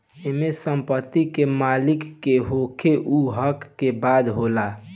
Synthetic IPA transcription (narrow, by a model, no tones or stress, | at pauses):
emesəmpət̪ːikemalikːeɦokʰeʔuɦəkːebad̪ɦola